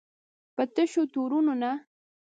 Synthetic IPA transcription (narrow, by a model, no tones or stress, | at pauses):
pət̪ɪʃʊt̪uɾʊnʊna